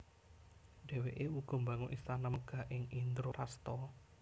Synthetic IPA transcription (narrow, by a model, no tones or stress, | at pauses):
ɖ̥e̤weʔeuɡ̥ɔ̤mbä̤ŋʊʔist̪anaəɡ̥a̤ʔɪŋind̪ɾoɾast̪ɔ